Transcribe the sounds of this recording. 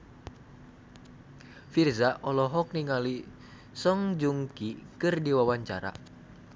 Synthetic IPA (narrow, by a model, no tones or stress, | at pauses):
firzaʔɔlɔɦɔk̚niŋali | sɔŋd͡ʒuŋkikɨrdiwawaɲt͡ʃaɾa̰